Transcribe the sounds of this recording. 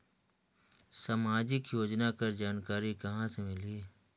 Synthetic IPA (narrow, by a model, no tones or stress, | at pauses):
samaːd͡ʒɪkjoːd͡ʒnakəɾd͡ʒaːnkaːɾikɐɦãsemɪli